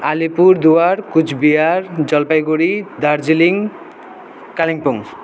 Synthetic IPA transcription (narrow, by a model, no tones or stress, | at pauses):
alipuɾd̪uaɾkud͡ʑʰbiaɾd͡ʑɔlpajɡoɾid̪aɾd͡ʑiliŋ | kaliŋpuŋ